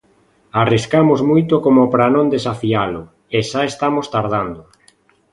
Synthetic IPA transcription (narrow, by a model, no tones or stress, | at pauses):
ariskamozmujt̪okomopɾanõnd̪esafialʊ | eʃaest̪amost̪aɾð̞and̪o